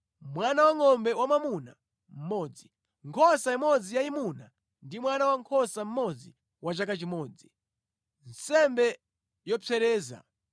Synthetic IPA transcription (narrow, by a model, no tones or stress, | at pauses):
mwanawaŋɔmbɛwamamuna | m̩mɔːd͡zi | ŋkʰɔsaimɔd͡zijaimuna | ndimwanawaŋkʰɔsam̩mɔd͡zi | wat͡ʃakat͡ʃimɔːd͡zi | n̩sɛmbɛ | jɔpʰɛɾɛːza̰